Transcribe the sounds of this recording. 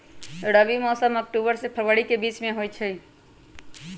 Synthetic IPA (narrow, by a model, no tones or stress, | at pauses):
ɽəʋimɔːsəmɔk̚ʈuːbəɾsepʰəɾʋəɽikebiːt͡ʃmẽɦoit͡ʃʰəi